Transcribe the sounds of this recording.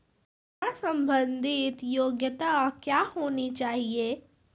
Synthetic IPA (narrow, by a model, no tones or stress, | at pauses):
asə̃mbə̃nd̪ʱɪt̪joːɡjət̪akjaːhoːnit͡ʃaːɦieː